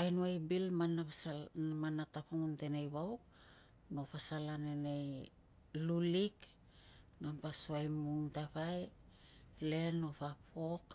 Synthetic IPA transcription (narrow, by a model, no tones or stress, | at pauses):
ajnuajbilmanaasamanatapoŋunte̞nejβawk | no̞pasalanenej | lulik | nampasoajmuŋtaβaj | le̞no̞papok